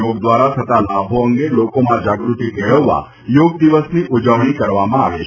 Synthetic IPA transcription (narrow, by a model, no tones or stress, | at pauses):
oɡd̪ʋaɾat̪ʰət̪alabʱoəŋɡelokomãd͡ʒaɡɾut̪ikeɭəʋːa̰ | joɡd̪iʋəsniʔud͡ʒəʋɽ̃ikəɾʋamãa̰ʋe